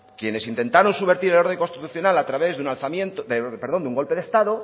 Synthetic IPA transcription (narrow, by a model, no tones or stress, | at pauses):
kje̞ne̞sint̪e̞nt̪aɾonsuβe̞ɾt̪iɾelo̞ɾðe̞ŋko̞nst̪it̪uθjo̞nalat̪ɾaβe̞zðeunalθamjent̪od̪epeɾðo̞nd̪uŋɡo̞lpe̞ðe̞st̪aðo